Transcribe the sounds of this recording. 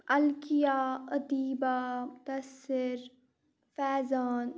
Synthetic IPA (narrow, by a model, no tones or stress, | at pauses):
ɐlkijaːɐd̪iːbaːmʊt̪ɐsːɪɾ | fɛːzaːn